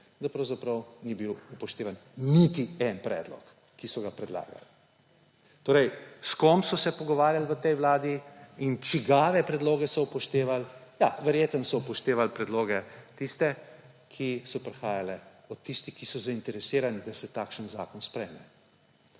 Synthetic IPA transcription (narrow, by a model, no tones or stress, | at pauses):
d̪apɾɐwzapɾɐwnibiwupɔʃt̪eːʋannit̪iɛnpɾɛ̰d̪lɔ̰kː | isɔɡapɾɛd̪la̰ːɡa̰l | t̪oːɾɛjskɔmpsɔsɛpɔɡɔʋaːɾjalʋət̪ɛjʋlaːd̪iint͡ʃiɡaːʋɛpɾɛd̪loːɡɛsɔpɔʃt̪eːʋalja̰ʋɛɾjeːt̪ənsɔpɔʃt̪eːʋalpɾɛd̪loːɡɛt̪ist̪ɛ | kʰisɔpɾɛxaːjalɛɔt̪ːist̪ikisɔzaint̪ɛɾɛsiːɾanid̪asɛt̪akʃənza̰ːkɔnspɾɛjmɛ